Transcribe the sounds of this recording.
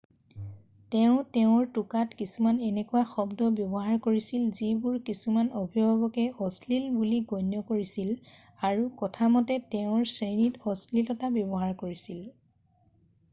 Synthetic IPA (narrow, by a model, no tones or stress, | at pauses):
tɛʊ̃tɛʊ̃ɹtukatkisumanɛnɛkuwaxɔbdɔbjɔbɔɦaɹkoɹisilzibuɹkisumanɔbʱibʱɔbɔkɛɔslilbuliɡojnjɔkoɹisil | aɹukɔtʰamɔtɛtɛʊ̃ɹsɹenitɔslilɔtabjɔbɔɦaɹkoɹisil